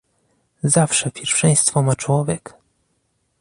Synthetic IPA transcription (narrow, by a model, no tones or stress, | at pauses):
zafʂɛpʲjɛɾfʂɛj̃st̪fɔmat͡ʂwɔvʲjɛk